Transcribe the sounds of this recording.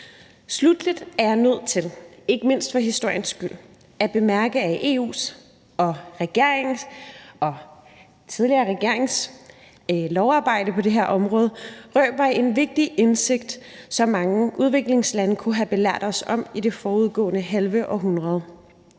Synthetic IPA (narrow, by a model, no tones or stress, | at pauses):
slud̥lid̥æɐjɑnøð̞̰ˠt͡sʰe̝le̝ɡ̥əme̝n̰sd̥fɒ̽ɦisd̥o̝ɐ̰jənsɡ̥yl̰ | æb̥e̝mæɐɡ̥əæʔe̝̰ːṵːs | ɒ̽ʁɛɡ̥e̝ɐ̰eŋ̩ | ɒ̽ | t͡sʰiðˠliɐːʁɛɡ̥e̝ɐ̰eŋs | lɒʊɑ̈ːb̥ɑ̈ɪ̰d̥əpʰɒ̽de̝ɦeɐʔɒ̽mʁɔːð̞̩ˠʁœːb̥ɑe̝nʋe̝ɡ̥̚d̥iʔense̝ɡ̥̚d̥sɒ̽mːɑ̈ŋəʔuð̞ˠʋe̝ɡ̥le̝ŋslænəkʰuɦæb̥e̝læɐ̰d̥ɒ̽sɒ̽m̰id̥e̝fɒːuð̞ˠɡ̥ɔ̰̽ːnəɦælʋəʔɒ̽ɦunʁɐð̞ˠ